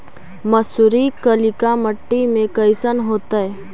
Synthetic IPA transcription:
məsʊɾikəlɪkaməʈːimẽkəɪsənɦoːt̪aɛ

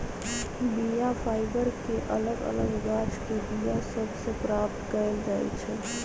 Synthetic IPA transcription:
bijafʰaːɪbəɾkeʔɐ̰ləɡə̰ləɡɡaːt͡ʃkebijasɐbsepɾaːpt̪kəɾəd͡ʒaːḭt͡ʃʰɛ

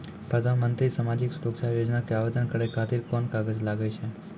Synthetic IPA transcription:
pɾəd̪ʱanmənt̪ɾisamad͡ʒiksɾoksʰajod͡ʒnakeaʋed̪ənkəɾekʰat̪iɾkɔnkaɡəd͡ʒlaɡet͡ʃʰe

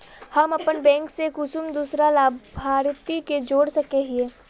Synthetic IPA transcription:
hɐmɐpənbɛ̃ːŋksekʊsʊmd̪uːsɾalaːbʱaːɾt̪iked͡ʒoːɽsɐkeɦieː

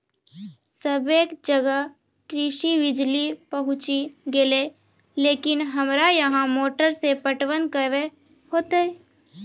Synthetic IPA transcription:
səbeːkd͡ʒəɡə | kɾɪʃiʋɪd͡ʒlipəɦʊ̃t͡ʃiɡele | leːkɪnɦəmɾajɐɦãmoːʈəɾsepəʈwənkəʋe | hoːt̪eɛ

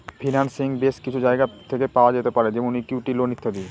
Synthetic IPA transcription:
fʰinansiŋbeʃkit͡ɕʰud͡ʑaeɡat̪ʰekepaoad͡ʑet̪epaɾed͡ʑemounikiʈilonit̪ʰːad̪ie

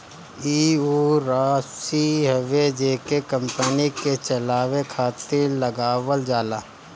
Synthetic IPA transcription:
iːuːɾaːsiɦəʋed͡ʒeːkekə̃mpəniket͡ʃɐlaːʋekʰaːt̪ɪɾlɐɡaːʋəld͡ʒaːlaː

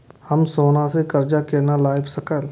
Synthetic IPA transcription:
hɐmsoːnãsekɐɾd͡ʒakeːnalaːɪbsɐkəl

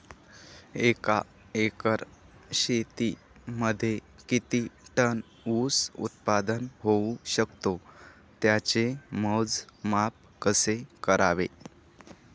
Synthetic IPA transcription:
eka | ekəɾ | ɕet̪i | məd̪ʱːje | kit̪iːʈən | usṵt̪̚pad̪ənɦouɕəkt̪o | t̪jat͡ɕeməd͡zmap̚kəsekəɾʔaʋe

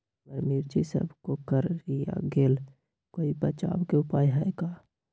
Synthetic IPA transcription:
bəɾmiːɾd͡ʒisə̰bʱkokəɾija̰ɡeːl | koːipɐt͡ʃa̰ːbkeʊpaːjɦaekaː

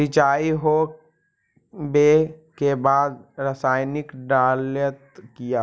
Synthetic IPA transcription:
ɪt͡ʃaːiɦo | bekebaːd̪ɾəsaːɪnɪkɖaːljət̪kijaː

